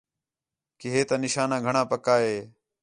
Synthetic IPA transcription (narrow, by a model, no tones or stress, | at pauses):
kɪɦeːt̪ãːnɪʃaːnãːɡʱəɳãːpəkaːɦeː